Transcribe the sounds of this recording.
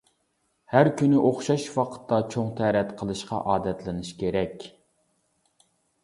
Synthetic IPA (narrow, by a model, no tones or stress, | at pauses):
hæɾkʲynɪʔoχʃɑʃwɑqʰə̥t̪ːɑt͡ʃʰoŋt̪ʰæɾɛt̪qʰəlˠɨʃqɑ̰ʔɑːd̪ɛt̪lɪnɨʃkʲeɾɛkʲ